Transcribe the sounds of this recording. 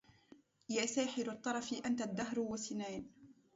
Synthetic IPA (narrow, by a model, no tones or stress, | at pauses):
jaːsaːħɪɾɑt̪ˤːɑɾˤɑfiʔant̪ad̪ːaɦɾwasɪnaːn